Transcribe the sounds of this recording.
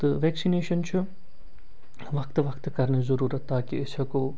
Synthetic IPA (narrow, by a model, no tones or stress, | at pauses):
t̪əʋɛːksineːʃənt͡ʃʰu | ʋɐkt̪ʋɐkt̪kɐɾnezɐɾuːɾɐt̪ːaːkiɪsɐko